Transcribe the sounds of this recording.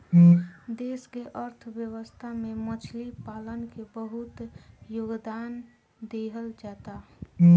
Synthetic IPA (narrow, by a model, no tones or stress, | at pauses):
d̪eːskeʔəɾt̪ʰbjəwəst̪ʰamẽmət͡ʃʰlipaːlənkebəɦʊt̪joɡd̪aːn | d̪eɦəld͡ʒaːt̪a